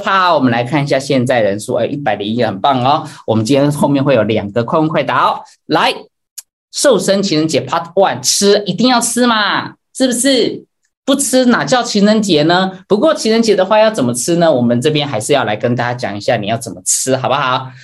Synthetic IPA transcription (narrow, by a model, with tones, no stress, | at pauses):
pʰa˥˧wɔ˨˩mə˦nla˧˥ɪkʰa˥˧ni˧˩ɕja˥˧ɕjɛ˥˧nt͡sa˥˩ɪɻə̰˧˦nʂu˥˩ə̰˧˥ʔi˥˩pa˨˩ɪli˧˥n˥xə˨˩npɑ˥˩ŋɔ˩wɔ˨˩mə˦nt͡ɕĩ˥njɛ˥nxo˥˧ʊmjɛ˥˧nxwɪjo˨˩ʊljɑ˨˩ŋɡə˦kʰwa˥˧ɪwkʰwa˥˩ɪt̪ɑ˧˥˦ʊ | la˧˥ɪ | ʂo˥˩ʊʂə˥nt͡ɕʰi˧˥nɻə˧˥nt͡ɕjɛ˧˥pʰa˥wa˥˩nʈ͡ʂ̩ʰ˥i˧˥t̪i˥˧ŋjɑ˥˩ʊʈ͡ʂʰɻ̩˥ma˨ | ʂɻ̩˥˩bə˩ʂɻ̩˥˩ | pu˥˩ʈ͡ʂʰɻ̩˥na˨˩t͡ɕjɑ˥˩ʊt͡ɕʰi˧˥nɻə˧˥nt͡ɕjɛ˧˥nə˦pu˧˥kwɔ˥˩t͡ɕʰi˧˥nɻə˧˥nt͡ɕjɛ˧˥d̪ə˧xwa˥˧jɑ˥˩ʊt͡sə˨˩nmə˦ʈ͡ʂʰɻ̩˥nə˨wɔ˨˩mə˦nʈ͡ʂɤ˥˩p̬jɛ˥nxa˧ɪʂɻ̩˥˧jɑ˥˩la˧˥ɪkə˥nt̪a˥˩t͡ɕja˥t͡ɕjɑ˨˩ŋi˧˥ɕja˥˩ni˨˩jɑ˥˩ʊt͡sə˨˩nmə˦ʈ͡ʂ̩ʰ˥xɑ˨˩ʊba˦xɑ˨˧˦ʊ